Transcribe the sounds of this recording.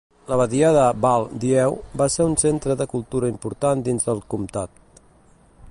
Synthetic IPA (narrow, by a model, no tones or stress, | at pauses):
ləβəðiað̞əbalˠd̪iɛwbaseunsent̪ɾəðəkulˠt̪uɾəimpuɾt̪and̪inzðəlˠkumt̪at̪